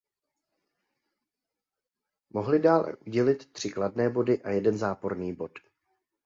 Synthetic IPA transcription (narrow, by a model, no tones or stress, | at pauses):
mo̞ɦlɪdaːlɛ̰ʔuɟɛlɪt̪ːr̝̥ɪkladnɛːbo̞dɪʔajɛdɛnzaːpo̞ɾniːbo̞t̪